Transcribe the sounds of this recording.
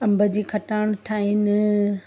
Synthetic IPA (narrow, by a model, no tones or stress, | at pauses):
ɐ̃mbʱəd͡ʑiːkʰɐʈaːɽ̃ʈʰaːɦɪnɪ